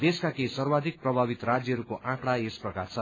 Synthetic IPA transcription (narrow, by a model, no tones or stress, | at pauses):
d̪eskakesʌrbad̪ʱik̚prʌbʱabit̪ɾad͡zjʌɦʌɾukoʔãkɽaesprʌkart͡sʰʌ